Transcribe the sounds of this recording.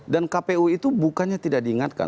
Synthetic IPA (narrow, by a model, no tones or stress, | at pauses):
dankapeuit̪ubukanɲat̪idak̚diːŋat̪̚ka̰